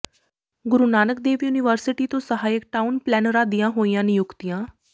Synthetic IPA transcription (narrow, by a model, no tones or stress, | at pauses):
ɡʊɾunaːnək̚d̪eːʋjuːnɪʋəɾsɪʈiːt̪õːsəɦaːjək̚ʈaːʊnplɛːnəɾãːd̪ijãːɦoːijãːnɪjʊkt̪ijãː